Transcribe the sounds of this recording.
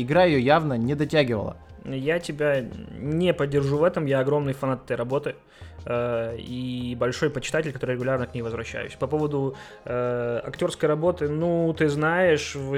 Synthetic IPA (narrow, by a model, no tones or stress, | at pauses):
ɪɡɾajɪjojavnənʲɪd̪ɐtʲaɡʲɪvə̰lˠə̰jatʲɪbʲanʲepədʲːɪrʐuvɛt̪əmjaɐɡɾo̞mnɨjfɐnat̪ɛt̪əjɾɐbo̞t̪ɨ | ibɐlʲʂo̞jpət͡ɕɪ̥t̪atʲɪlʲkɐt̪o̞ɾɨɾʲɪɡʊlʲarnəknʲejvəzvɾɐɕːæ̰jʉ̰sʲpɐpo̞vəd̪ʊ | əɐ̰ktʲo̞rskəjrɐbo̞t̪ɨnut̪ɨznajɪʂv